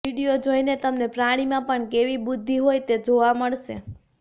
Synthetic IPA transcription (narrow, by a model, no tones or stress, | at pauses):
iɽijod͡ʒojnet̪əmnepɾaɽ̃imãpəɳkeʋibʊd̪ʱːiɦojt̪ed͡ʒoʋaməɭʃḛ